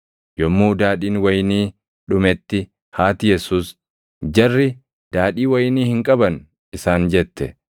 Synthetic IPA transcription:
jɔmːuːd̪aːᶑiːnwɐjniː | ᶑʊmɛt̪ːɪ | haːt̪ɪjɛsuːs | d͡ʒɐrːɪ | d̪̥aːᶑiːwɐjniːhɪŋkʼɐbɐn | ɪsaːnd͡ʒɛt̪ːɛ̰

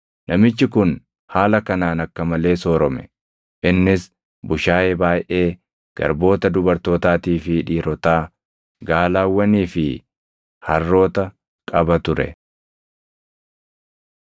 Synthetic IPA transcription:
nʔɐmɪt͡ʃːɪkʊn | haːlɐkɐnaːnɐkːɐmɐle̞ːsoːɾɔmɛ | ʔɪnːɪs | bʊʃaːjɛbaːjʔe̞ː | ɡ̥ɐ̰ɾbo̞ːt̪ɐd̪ʊbɐɾt̪o̞ːt̪aːt̪iːfɪᶑiːɾɔt̪aː | ɡaːlaːwːɐniːfɪ | hɐrːo̞ːt̪ɐ | kʼɐbɐt̪ʊɾɛ̰

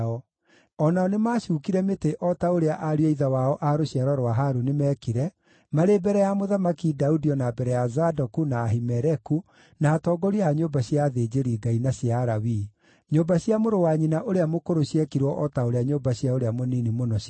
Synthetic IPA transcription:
ɔ | ɔnaɔnemaːɕuːkiɾɛmeteʔɔtaoɾeaʔaɾiɛiðawaɔʔaɾoɕjaɾɔɾwaɦaɾunemɛːkiɾɛ | maɾebɛɾɛjamoðamakidaudiɔnabɛɾɛjazadɔkunaːɦimɛɾɛku | naːtɔːɡɔɾiaaɲobaɕjaːðed͡ʑeɾiːɡainaɕjaɾawi | ɲombaɕjamoɾowaɲinaʔoɾeamokoɾoɕjɛkiɾwɔʔɔtaoɾeaɲoːmbaɕjaoɾeamoninimonɔɕ

